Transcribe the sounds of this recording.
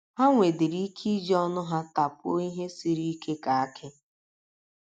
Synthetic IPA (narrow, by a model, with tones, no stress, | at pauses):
ɦa˦ŋʷe˨dɪ˨ɾi˦kʰi˦d͡ʒɔ˦nʊ˦ɦa˦ta˨po˦i˦ɦe˦si˨ɾi˦kʰe˦ka˨a˦kʰɪ˦